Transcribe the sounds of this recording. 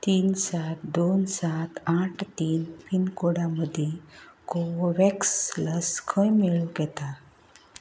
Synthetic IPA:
t̪iːnsat̪d̪onsat̪aʈʰt̪iːnpinkoɽaməd̪ʱːjekowʋɛksləskʰəjmeɭuɡɛt̪a

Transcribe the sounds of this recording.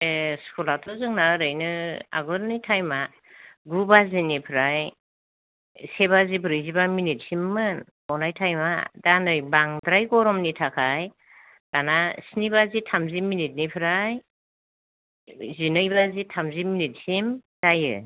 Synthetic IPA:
eskʰɔlatʰɔzɯŋnaɯɾɯjnɯa̰ɡɔɾnijtʰajma | ɡɾubazinipʰɯɾaj | seβazibʰɯɾɯjzibaminit̚simːɯn | ɔnajtʰajma̰danɯjbaŋdɾajɡɔɾɔmnitʰakʰaj | d̥anasinibazitʰamzimːinit̬̚nipʰɯɾaj | zinɯjbazitʰamzimːinit̚simz̥ajɯ̰

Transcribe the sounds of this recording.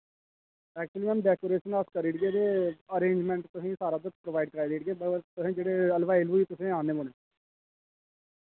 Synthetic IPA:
ɛːk̚t͡ʃuəliːmənɖɛːkoːɾeːʃənəskəɾiːʈɡeːd̪eːəɾẽːɲd͡ʒmɛ̃ːɳʈt̪ʊsĩːsaːɾaːd̪ʊkpɾoʋaːɪɖ̚kəɾaːid̪eːʈɡeːbəɾt̪ʊsẽːd͡ʒeːɽeːəlʋaːɪlʋuːiːt̪ʊsẽːaːneːoːnẽː

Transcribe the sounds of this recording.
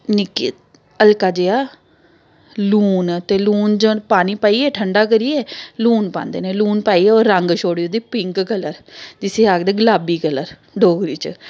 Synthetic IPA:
nɪkːḛː | əlkaːd͡ʒeːaː | luːnt̪eːluːnd͡ʒõːpaːniːpaːiːɛːʈʰəɳɖaːk̬əɾiːɛːluːnpã̰ːnd̪ḛːneːluːnpaːiːɛːoːɾːəŋɡʃoːɽiːoːd̪iːpɪŋkkələɾd͡ʒɪseːaːɡd̪eːɡəlaːbiːkələɾ | ɖoːɡɾiːt͡ʃ

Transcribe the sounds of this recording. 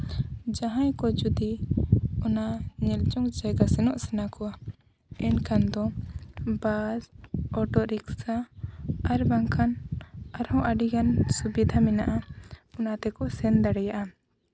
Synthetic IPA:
d͡ʒaɦãjkɔd͡ʒud̪i | ɔnaɲɛlt͡ʃɔŋd͡ʒajɡasɛnɔʔsɛnakɔwa | ɛnkand̪ɔ | bazɔʈɔʔɾiksa | aɾbaŋkʰanaɾhɔ̃ʔaɖikansubid̪ʱamɛnaʔaɔnat̪ɛkɔsɛnd̪aɽɛjaʔa

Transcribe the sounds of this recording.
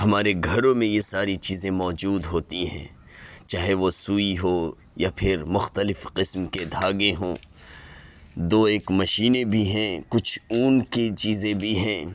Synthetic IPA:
hɐmaːɾeɡʱɐɾõmẽjesaːɾit͡ʃiːzẽmɔːd͡ʒuːd̪ɦoːt̪iɦɛ̰̃ː | t͡ʃaːɦeʋosuːiɦo | japʰɪɾmʊxt̪əlɪfqɪsmked̪ʱaːɡẽɦõː | d̪oːeːkmɐʃiːnebʱiɦɛ̃ːkʊt͡ʃʰuːnket͡ʃiːzẽbʱiɦɛ̃ː

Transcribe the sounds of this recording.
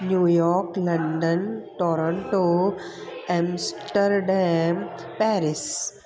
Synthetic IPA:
njuːjɔːɾklɐ̃ɳɖənʈɔːɾə̃ɳʈo | ɛ̃msʈəɾɖɛ̃m | pɛːɾɪs

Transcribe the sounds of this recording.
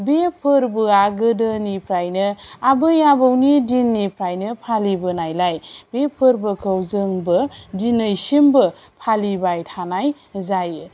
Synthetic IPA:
bepʰɯɾbɯaɡɯdɯnipʰɾajnɯabɯjabɯwnidinːipʰɾajnɯpʰalibɯnajlajbepʰɯɾbɯkʰəwzɯŋbɯdinəjsimbɯpʰalibajtʰanaj | zajɯ

